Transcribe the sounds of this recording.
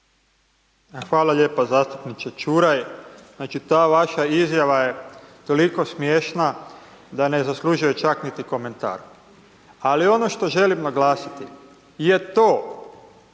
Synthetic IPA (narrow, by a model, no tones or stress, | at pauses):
xʋaːlaʎeːpazaːst̪upnit͡ʃ̪et͡ʃuɾajznaːt͡ʃit̪aːʋaʃaizjaʋaje̞t̪o̞liko̞smjeːʃna | d̪ane̞zaslˠuʒuje̞t͡ʃaknit̪iko̞me̞nt̪a̰ːɾ | alio̞noʃt̪o̞ʒe̞limnaɡlaːsi̥t̪i | je̞t̪oː